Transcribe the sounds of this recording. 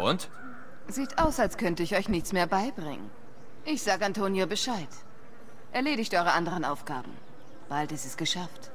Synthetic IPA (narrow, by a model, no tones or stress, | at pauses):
ʔʊ̰nt | ziːtʰʔaʊsalskʰœntəɪçɔʏçnɪçt͡smeːɐbaɪbʁɪ̰ŋə̰n | ʔɪçz̥aːɡəantʰoːnjobəʃaɪt | ʔɛɐleːɾɪçtʔɔʏʁəʔandəʁ̞ənʔaʊfɡ̥a̰ːbm̩ | b̥altɪstɛsɡ̥əʃaft